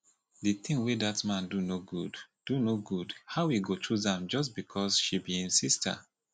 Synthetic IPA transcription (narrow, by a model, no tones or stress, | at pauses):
diθĩŋwedatmãndunoɡudd̥unoɡudhaʊwiɡot͡ʃuzãmd͡ʒɔs̬tbikʰɔsʃibiĩnsistə̰